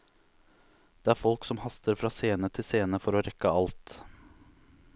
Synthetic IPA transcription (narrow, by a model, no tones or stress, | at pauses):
d̪̥eːæːɾfɔlksɔmhɑst̪ʰəɾfɾɑːseːnət̪ʰɪseːnəfɔɾoːɾɛkəɑlt̪